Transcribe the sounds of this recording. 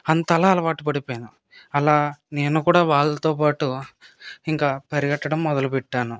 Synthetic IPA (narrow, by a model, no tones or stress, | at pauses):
ɐnt̪ɐlaːɐlɐʋaːʈupɐɽipoːjnu | ɐlaːne̞ːnukuːɽaːʋaːɭːɐt̪oːp̬aːʈu | iŋkaːpɐɾijɐʈːɐɽɐmːɔd̪ɐlupɛʈːaːnu